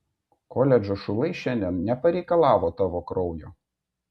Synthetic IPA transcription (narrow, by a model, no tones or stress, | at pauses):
kɔːlʲɛd͡ʒʲoʃʊlˠɐɪʃʲɛnʲd̪ʲɛnnʲɛpɐɾʲɛɪkɐlˠɑːʋoːt̪ɑːʋoːkɾɔʊjo̰ː